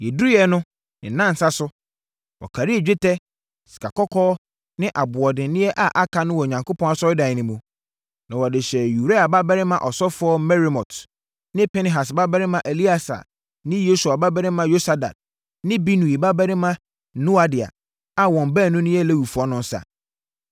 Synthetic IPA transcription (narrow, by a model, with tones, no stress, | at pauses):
jɛ˨du˦jɛ˨˦nʊ̃˦ | ɪ̃˨˦nã˦n̩˨sa˦sʊ˦ | wɔ̰˨kʰa˨ɾi˦ɛ˨d͡ʑᶣɪ˦tʰɛ˦ | si̥˨kʰa˨kɔ˦kʰɔː˦ | nɪ̃˦ʔa˨bʊ˨ɔ˨dɪ̃˨n˦nɪ̃˦ɛ˦ʔa˨ʔa˦kʰa˨˦nʊ̃˦wɔ˨ɲã˨ŋko˦pʰɔ̃˦na˨sɔ˦ɪ˦dã˨nɪ̃˨mũ˨ | nã˨wɔ˨dɪ˨ɕɛ˨ju˨ɾe˦a˨ba˦bɛ˦ɾɪ̃˦mã˨ʔɔ˨sɔ˦fʊ˨˦ɔ˦mɛ˦ɾi˨mɔ̃˨tʰ | nɪ̃˦pɛ˦nɛ̃˨ɦa˨sba˦bɛ˦ɾɪ˦mã˨ʔe˨li˦a˨sa̰˨ | nɪ̃˦jo˦su˨a˨ba˦bɛ˦ɾɪ̃˦mã˦jo˦sa˨da̰˨d̚ | nɪ̃˦bi˦nũ˨i˨ba˦bɛ˦ɾɪ̃˦mã˦ | nũ˦a˨dɪ˨a̰˨ | a˨wɔ̃˨mbɛ˦˨nːʊ̃˦nɪ̃˦jɛ˦˨le˦wu˨fɔ˦nʊ̃˦n̩˦sa̰˨